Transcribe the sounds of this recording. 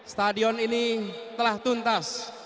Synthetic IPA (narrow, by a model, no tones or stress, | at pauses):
st̪adiɔninit̪əlaht̪unt̪as